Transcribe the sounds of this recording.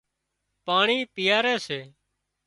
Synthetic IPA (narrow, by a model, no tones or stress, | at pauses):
paːɳiːpɪjaːɾɛːseː